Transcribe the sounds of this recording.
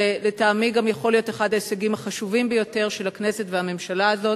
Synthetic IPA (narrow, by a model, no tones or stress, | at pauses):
eletaːmiɡamjaχo̞lijo̞teχadhaeseɡimaχaʃuvimbejo̞te̞ʁʃelhakne̞se̞tvehame̞mʃalaːzo̞t